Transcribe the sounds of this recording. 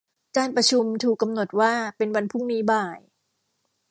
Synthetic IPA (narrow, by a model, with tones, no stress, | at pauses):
kaː˧npɾa˧t͡ɕʰu˧mt̪ʰuː˨˩kːa˧mno˨˩t̪̚waː˥˩pe˧nwa˧npʰu˥˩ŋniː˦˥baː˨˩j